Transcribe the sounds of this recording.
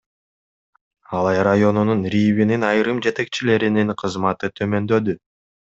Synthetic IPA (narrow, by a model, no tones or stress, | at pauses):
ɑlˠɑjɾajo̞nununɾʲivininɑjɾɯmd͡ʒe̞t̪e̞k̚t͡ʃile̞ɾininqʰɯzmɑt̪ɯt̪ʰø̞mø̞nd̪ø̞d̪y